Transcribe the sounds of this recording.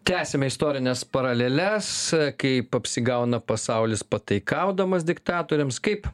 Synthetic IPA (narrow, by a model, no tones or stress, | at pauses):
t̪ʲæːsʲɛmʲɛɪst̪oːɾʲɪnʲɛspɐɾɐlʲeːlʲɛskɐɪpɐpʲsʲɪɡɐʊnɐpɐsɐʊlʲɪspɐt̪ɐɪkɐʊd̪ɐmɐsd̪ʲɪkt̪ɑːt̪oːɾʲɪmskɐɪp